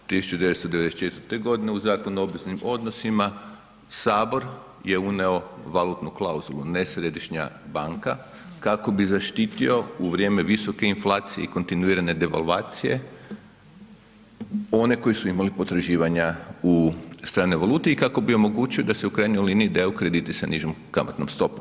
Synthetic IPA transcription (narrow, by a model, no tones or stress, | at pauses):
t̪isu̥t͡ʃud̪eʋe̞t̪t̪od̪e̞ʋed̪estt͡ʃe̞t̪əɾt̪eɡo̞d̪ineuzaːkonuo̞bʋeznimo̞d̪no̞sima | saːbo̞ɾ | je̞uneo̞ʋalˠut̪nuklauzulˠunesɾe̞d̪iʃɲa̰baŋka | kako̞bizaʃt̪iːt̪io̞uʋɾje̞ːme̞ʋiso̞ke̞inflaːt̪sijḛiko̞nt̪inuiːɾane̞d̪e̞ʋa̰lˠʋaːt̪sije̞ | o̞ne̞ko̞jisuimalipo̞t̪ɾaʒiːʋaɲaust̪ɾaːneʋalˠuːt̪eikako̞bio̞mo̞ɡut͡ʃio̞d̪ase̞ukɾajnojliniid̪eukɾe̞d̪iːt̪isaniʒomkama̰t̪nomst̪o̞pu̥m